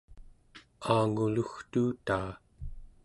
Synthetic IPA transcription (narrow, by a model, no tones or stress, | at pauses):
aːŋuluxt̪uːt̪aː